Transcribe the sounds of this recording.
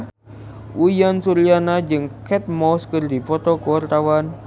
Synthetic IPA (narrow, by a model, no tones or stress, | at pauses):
ʔujansuɾianad͡ʒɨŋkɛt̪̚mɔskɨrdipɔt̪ɔkuwart̪awan